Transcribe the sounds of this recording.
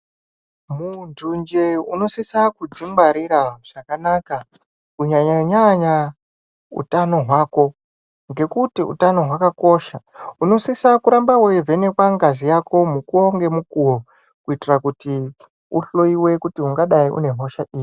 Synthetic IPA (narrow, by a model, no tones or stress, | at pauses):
mundund͡ʒeuno̞sisakud͡zimbaɾiɾaʐ̥akanaka | kuɲaɲaɲaɲa | ṵtano̞ɦwaːko̞ | ŋɡe̞kutiṵtano̞ɦwakako̞ʃauno̞sisakuɾambawevene̞kwaŋɡazijako̞mukuoŋɡe̞mukuwo | kuitirakuti | ṵɬo̞iwe̞kutiuŋɡaɗaiʔṵne̞ɦo̞ʃaʔiːji